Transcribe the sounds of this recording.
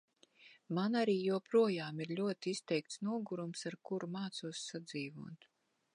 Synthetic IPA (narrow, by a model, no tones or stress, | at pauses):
manaɾiːjuɔpɾuɔjaːmiɾʎʲuɔt̪iist̪ɛjk̚t̪snuɔɡuɾumsaɾkuɾumaːt̪suɔsːad̪ziːvuɔt̪